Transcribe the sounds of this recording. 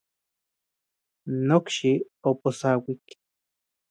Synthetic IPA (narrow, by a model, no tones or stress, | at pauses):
nokʃi | oposawik